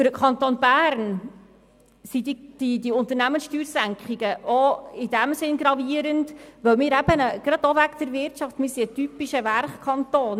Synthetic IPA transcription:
fʏɾəkʰɑnt̪onbæːɾn | sidid̥idiʊnt̪əɾnæmənsʃtyːɾsæŋkχiɡəʔɔɪd̥æmsɪnɡɾɑviəɾəndʋœwmɪːɾæb̥ənəɡ̥ɾɑd̥̪oʋækd̥̪əɾvɪrtʃɑftmɪːɾsiətypiʃəværχkʰɑnt̪oːn

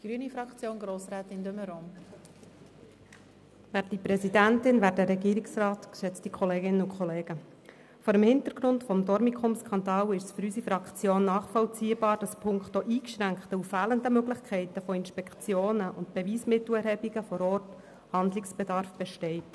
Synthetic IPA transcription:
ɡ̥ɾyənifɾɑkt͡sjoːnɡɾoːsɾæːt̪ɪnd̪øməɾom | væːɾt̚d̥ipɾɛsidæntɪnʋæːɾdəɾɛɡiːɾɪksɾɑːtkʃɛt͡stikχɔleːɡɪnːəʊkʰχɔleːɡ̥ə | fɔːɾəmhɪnt̪əɾɡ̥ɾʊntfɔmdɔɾmikχʊmskʰɑnd̪ɑːlɪʃsfɵɾysifɾɑkχt͡sjoːnːɑːχfɔlt͡siːəb̥ɑːɾd̥ɑspʰʊŋkχtoʔiːkʃɾæŋkχtəufæːləndəmøɡlɪχkʰɛɪtəfoɪnʃpɛkt͡sjoːnəʔʊntb̥eviːsmɪt̪l̩ɛɾhɛbiɡəfɔɾɔːrt | hɑnd̪lɪksb̥ɛdɑɾfb̥ɛʃtɛɪt

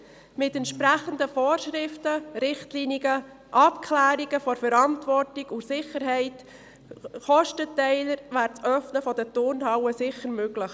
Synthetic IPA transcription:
mɪtɛntʃpɾæχəndəfɔːɾʃɾɪftəɾɪχtliːniɡə | ʔɑpkʰlæːɾiɡəfɔɾfəɾɑntvɔrtiɡusɪχəɾɦɛɪt | χɔʃtətɛɪləɾvæːɾt͡sœfnəfɔdətʊɾnhɑwəsɪχəɾmøɡləχ

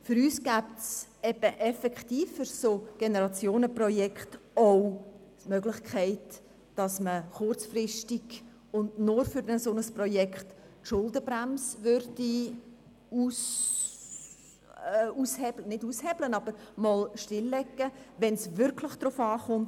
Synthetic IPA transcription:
fʏɾyːsɡ̥æːptsɛb̥əʔɛfɛkχtiːfːyɾsoːɡ̥enəɾɑt͡sjoːnəprɔjɛkχtow | mœɡlɪχkʰχɛɪt | d̥ɑsməχʊrt͡sfrɪʃtiɡ | ʊndnʊɾfyɾɛnsonəsprɔjɛkχt | tʃʊldəbɾæmsʋøɾdi | us | ushɛblənɪduːshɛblənɑb̥əɾmɔlʃtɪlːɛɡːəʋɛnsʋʏɾkʰlɪχd̥ɾʊfɑːχʊmt

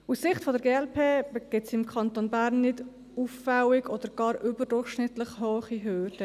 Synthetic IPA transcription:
usːɪχtfɔdɛɾɡeːɛlpʰeːɡ̥ɪtsɪmkʰɑntonbæːɾnːɪd | ufːawɪɡɔd̪əɾɡ̥ɑːɾybəɾdʊɾχʃnɪt̪ləχhøːχiɦøːɾd̥ə

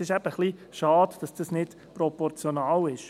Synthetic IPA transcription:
sɪʃɛb̥əχliʃɑːd̥d̥ɑsd̥ɑsnɪd̥ | pɾɔpɔɾt͡sjonɑːlɪʃ

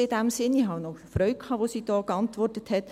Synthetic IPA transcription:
ɪd̥æmsɪnihɑnɔfɾœʏk̚kʰhɑːʋosiːd̥ɔːkɑntʋɔrtəthɛt

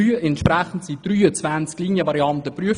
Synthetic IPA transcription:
yːɛntʃpɾæχn̩tsid̥ryːət͡svænt͡skliːnjəvɑɾiɑntəpryəf

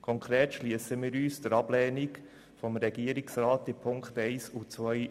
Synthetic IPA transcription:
kʰɔŋkʰɾeːtʃliəsəmiːɾyːsd̥əɾɑb̥lɛːnɪk | fɔmɾɛɡ̥iəɾɪksɾaːtɪpʰʊŋktɛɪsut͡sʋœj

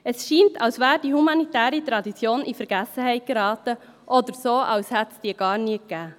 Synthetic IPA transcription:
əsʃiːntʰɑlsvæːɾdiːhumɑnitæːɾit̪ɾɑd̪it͡sjoːnʔifəɾɡ̥æsəhɛɪt̚ɡ̥əɾɑːt̪ə | ʔɔd̪əɾsoːʔɑlshɛt̪sd̥iːəɡ̥ɑːɾniəkːæː

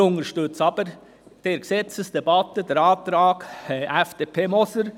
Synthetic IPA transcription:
ʊŋəɾʃtʉt͡sɑb̥əɾ | d̥eːɾksɛt͡səsd̥ɛbɑt̪ədɛɾɑːt̪ɾɑːkːʔɛfd̥epʰeːmɔsəɾ

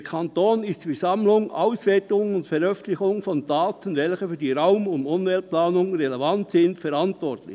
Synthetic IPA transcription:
kʰantoːnɪstfɛsamlʊŋʔaʊsvɛːɐtʊŋʊntfɛɾœfən̩t̪lɪçʊŋfɔndaːtənvɛlçəfyːɐdiːɾaʊmʊndʊnvɛlplaːnʊŋɾelevantsɪndfɛɾantʋɔrtlɪ̰

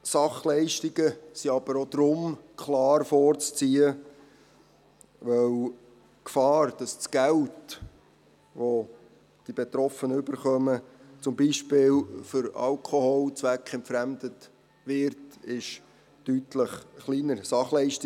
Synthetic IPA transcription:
sɑχlɛɪʃtiɡəsiɑb̥əɾod̪̥ɾʊmkʰlɑːɾfɔːɾt͡st͡siːə | ʋœw | kfɑːrd̥ɑst͡sɡ̥ælt | ʋo | d̥ibetɾɔfənəʉbəɾχœmət͡sʊmbiːʃpɪːlfʏɾɑ̰lkʰohɔlt͡sʋækχɛnpfɾæmdət | ʋɪɾtɪʃ | tytləχχliːnəɾsɑχlɛɪʃti

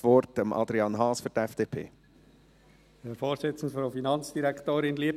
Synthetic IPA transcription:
ʋɔɾtəmʔɑ̰d̪ɾiɑːnɦɑːsfʏɾtɛfd̥eːpʰḛː | hɛɾfoːɾsɪt͡sn̩d̪fɾofinɑnt͡sd̥iɾɛktoːɾɪnliəp

